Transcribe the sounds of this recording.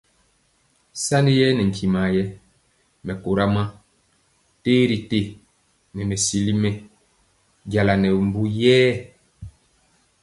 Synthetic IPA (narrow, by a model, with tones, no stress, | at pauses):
sa˦ni˦jɛ˦nɛ˨ŋ˨kʰi˨ma˨jɛ˦ | mɛ˨ko˨ɾa˦ma˦ | teː˦ɾi˨te˦˨ | nɛ˨mɛ˨si˦li˦mɛ˦ | ɟa˨la˨nɛ˨m˨bu˦jɛː˦